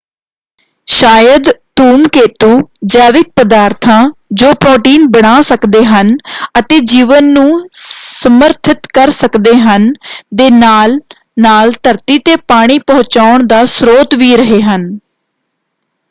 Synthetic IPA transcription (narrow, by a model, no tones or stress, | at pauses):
ʃaːjəd̪t̪uːmkeːt̪uːd͡ʒaːʋɪk̪̚pəd̪aːɾt̪ʰãːd͡ʒoːpɾoːʈiːnbəɽ̃aːsəkd̪eːɦənət̪eːd͡ʒiːʋənːũːsəməɾt̪ʰɪt̪kəɾsəkd̪eːɦənd̪eːnaːl | naːlt̪əɾt̪iːt̪eːpaːɽ̃iːpə̃ɦt͡ʃaːʊɳd̪aːsɾoːt̪ʋiːɾəɦeːɦən